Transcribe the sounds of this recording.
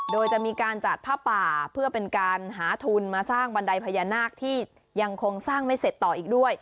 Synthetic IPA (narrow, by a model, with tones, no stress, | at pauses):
doː˧jt͡ɕa˨˩ʔmiː˧kaː˧nt͡ɕa˨˩t̪̚pʰaː˥˩paː˨˩pʰɯ˥˩ɐpe˧nkaː˧nɦaː˩˦t̪ʰu˧nmaː˧saː˥˩ŋba˧nda˧jpʰa˧jaː˧naː˥˩k̚t̪ʰiː˥˩ | ja˧ŋkʰo˧ŋsaː˥˩ŋma˥˩jse˨˩t̪ːɔː˨˩ʔiː˨˩k̚du˥˩əj